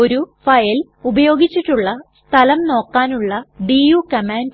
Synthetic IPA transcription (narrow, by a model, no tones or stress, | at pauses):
o̞ɾufɐjɐl | ubɐjo̞ːɡit͡ɕːiʈːuɭːɐst̪ʰɐlɐmno̞ːkːaːnuɭːɐɖiːjuːkɐmaːnd